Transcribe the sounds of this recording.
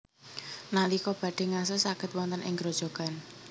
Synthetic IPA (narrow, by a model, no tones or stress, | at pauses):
nalikɔb̥ä̤ɖ̥e̤ŋasəsaɡ̥ə̤t̪̚wɔnt̪ənɪ̰ŋɡɾod̥ʒ̥o̤ɡ̥an